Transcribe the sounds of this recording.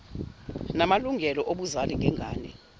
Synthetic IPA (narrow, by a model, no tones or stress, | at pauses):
namaluŋɡʱɛlɔʔoɓuzaliŋʱɛŋɡʱa̰ːnɛ